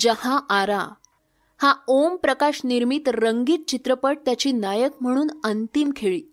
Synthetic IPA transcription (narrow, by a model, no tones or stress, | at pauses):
d͡ʑəhaʔaɾa | haompɾəkaɕniɾmit̪ɾəŋɡiːt̪̚t͡ɕit̪ɾəpəʈ̚t̪jat͡ɕiːnajəkm̤əɽ̃uːnənt̪imkʰeɭiː